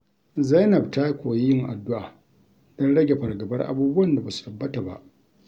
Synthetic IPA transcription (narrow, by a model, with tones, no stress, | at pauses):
za˦jnɐ˨b̚taː˦kʷoː˨je˦jɪ˦ŋʔa˨dːʊ˦ʔaː˨ | dɔ˦nɽɐ˦ɡʲe˨ɸɐ˨rɡɐ˨bɐ˦rʔa̰˦buː˦bʊ˦wɐ˦nda˨baː˨su̥˨tɐ˨bːɐ˦ta˨ba̰˦ʔ